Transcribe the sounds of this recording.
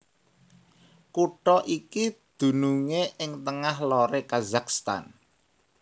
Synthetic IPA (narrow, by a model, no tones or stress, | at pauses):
kuʈɔʔikid̪̥ṳnuŋeʔɪŋt̪əŋahloɾekazakst̪a̰n